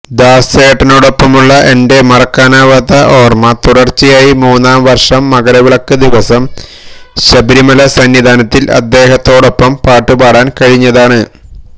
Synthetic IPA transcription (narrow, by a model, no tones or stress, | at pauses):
d̪aːseːʈːɐno̞ːɽo̞pːɐmuɭːɐʔe̞nde̞mɐrɐkːaːnaːʋɐt̪ɐʔo̞ːrmɐt̪uɽɐrt͡ɕːijaːjimuːnːaːmʋɐrʂɐmːɐɡɐɾɐʋiɭɐkːɨd̪iʋɐsɐm | ɕɐbiɾimɐlɐsɐnːid̪ʱaːnɐt̪ːilɐ̰d̪ːe̞ːɦɐt̪ːo̞ːɽo̞pːɐmpaːʈːɨpaːɽaːnkɐɻiɲːɐðaːɳɨ